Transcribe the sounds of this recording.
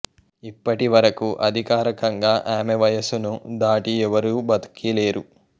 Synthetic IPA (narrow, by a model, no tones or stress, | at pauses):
ipːɐʈiʋɐɾɐkuʔɐd̪ʱikaːɾɐkɐŋɡaːʔaːmeʋɐjɐsunud̪aːʈiɛʋɐɾuːbɐd̪kile̞ːɾu